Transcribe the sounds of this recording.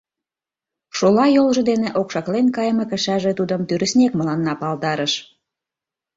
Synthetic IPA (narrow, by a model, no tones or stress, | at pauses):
ʃolɑjolʒɤ̆d̪eneʔokʃɑklenkɑjməkə̆ʃæʒet̪ud̪əmt̪yɾə̆snʲekməlɑnːɑpɑld̪ɑɾəʃ